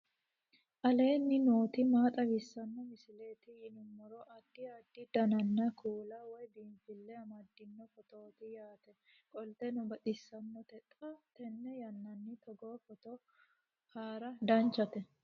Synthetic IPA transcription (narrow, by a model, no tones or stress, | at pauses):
ʔɐleːnːɪnoːt̪ɪmaːt̪ʼɐwɪsːɐnːɔmɪsɪle̞ːt̪ɪɪnʊmːɔɾɔʔɐd̪ːɪɐd̪ːɪd̪ɐnɐnːɐkʰuːlɐwɔjb̪iːɱfɪlːɛɐmɐd̪ːɪnːɔfɔt̪oːt̪ɪjaːt̪ɛ | kʼɔlt̪ɛnʊbɐt̪ʼɪsːɐnːɔt̪ɛt̪ʼːɐt̪ɛnːɛjɐnːɐnːɪt̪ɔɡoːfɔt̪ɔ | haːɾɐd̪ɐnt͡ʃːɐt̪ɛ